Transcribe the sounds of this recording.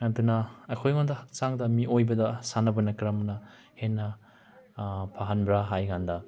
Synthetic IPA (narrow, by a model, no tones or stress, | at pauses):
ɐd̪unɐɐjkʰojmand̪ɐhɐk̚t͡ʃaŋd̪ɐmiojbɐd̪ɐsanɐbɐnɐkɾɐmnɐ | henːɐ | pʰaɦanbɾaɦajɡand̪ɐ